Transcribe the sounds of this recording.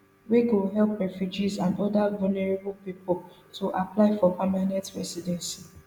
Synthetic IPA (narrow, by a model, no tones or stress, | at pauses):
weɡulɦɛlpɹɛfjud͡ʒizãndɔdavɔlnɛɹebulpipɔl | tʰuʔaplaɪfɔpamanɛtɹɛ̰sidɛ̃nsi̥